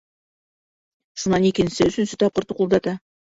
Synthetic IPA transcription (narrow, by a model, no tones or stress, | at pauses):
ʃunɑnikɘ̆nɘsɘɵ̆sɵnsɵt̪ɑp̚qɤ̆t̪uqulˠd̪ɑt̪ɑ